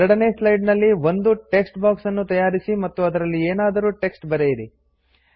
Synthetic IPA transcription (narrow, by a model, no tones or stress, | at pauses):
ɛɾɐɽɐneːslɐjɖnɐlːiʋo̞nd̪uʈe̞ksʈbaːksɐnːut̪ɐjaːɾisimɐt̪ːuɐd̪ɐɾɐlːieːnaːd̪ɐɾuːʈe̞ksʈbɐɾejiɾi